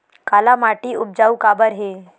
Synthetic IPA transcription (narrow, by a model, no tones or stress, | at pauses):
kaːlamaːʈiʊb̚d͡ʒaːukaːbəɾɦeː